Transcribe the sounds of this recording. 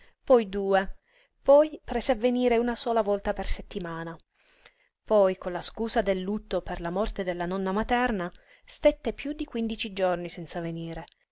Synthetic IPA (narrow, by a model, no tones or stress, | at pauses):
pɔjd̪uːe | pɔjpɾɛːzeavːeniːɾeunasɔːlavɔlt̪aperset̪ːimaːna | pɔjkonlaskuːsad̪elːut̪ːoperlamɔrt̪ed̪elːanɔnːamat̪ɛrna | st̪et̪ːepjud̪ːikwind̪it͡ʃid͡ʒornisɛnt̪saveniːɾe